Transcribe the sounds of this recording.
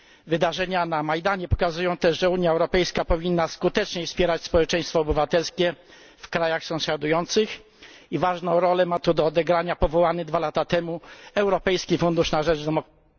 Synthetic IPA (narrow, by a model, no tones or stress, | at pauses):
vɘd̪aʐɛɲanamajd̪aɲɛpɔ̥kazujɔ̃w̃t̪ɛʐʐɛuɲjaɛwɾɔpɛjskapɔvʲinːaskut̪ɛt͡ʂɲɛfspʲjɛɾat͡ɕspɔwɛt͡ʂɛ̃j̃st̪fɔːbɘvat̪ɛlskʲɛ | fkɾajaxsɔ̃w̃ɕad̪ujɔnt̪sɘx | ivaʐnɔ̃w̃ɾɔlɛmat̪ud̪ɔːd̪ɛɡɾaɲapɔvɔwanɘd̪valat̪at̪ɛmuɛwɾɔpɛjskʲifund̪uʂnaʐɛd͡ʐd̪ɔmɔ